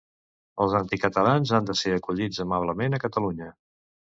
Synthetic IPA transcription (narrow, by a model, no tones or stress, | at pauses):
əlˠzant̪ikət̪əlanzand̪əseəkuʎid͡zəmaβ̞ləmenəkət̪əluɲə